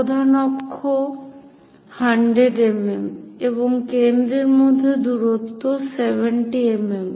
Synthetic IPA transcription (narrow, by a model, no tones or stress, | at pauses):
pod̪ʱanɔkʰːo | haɳɖɾeɖememeboŋkend̪ɾeɾmod̪ʱːed̪uɾot̪ːosebeɳʈiemem